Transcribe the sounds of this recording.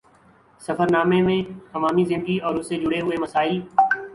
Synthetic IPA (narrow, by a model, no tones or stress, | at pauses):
səfəɾnaːmẽmẽəʋaːmizɪ̃nd̪ɡiɔːɾʊsːed͡ʒʊɽeɦʊeməsaːɪl